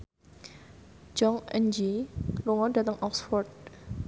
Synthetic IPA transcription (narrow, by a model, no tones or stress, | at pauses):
d͡ʒɔŋɛnd͡ʒiluŋɔdät̪əŋɔksfɔrt̪̚